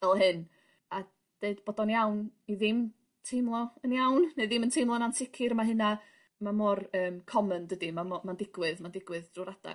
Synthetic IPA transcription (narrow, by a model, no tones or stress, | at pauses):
vɛlˠhɨn | a | d̥eɨd̥b̥oːdɔnjawniðɪm | tʰejmlˠɔənjawnneðɪməntʰejmlˠɔnansɪkʰɪɾmaɦɨna | mamɔrəːmkʰɔməndədimaɔmandɪɡwɨðmandɪɡwɨðd̥ruɾad̥a̰